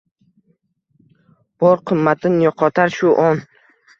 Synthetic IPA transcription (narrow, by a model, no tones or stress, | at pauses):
b̥ɒɾqʰɨmːat̪ʰɪnjɒqʰɒt̪ʰaɾʃʊʔɒn